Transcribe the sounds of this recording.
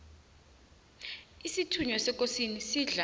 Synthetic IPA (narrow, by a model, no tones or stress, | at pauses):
isitʰuɲɔsɛkʼosinisiːɮa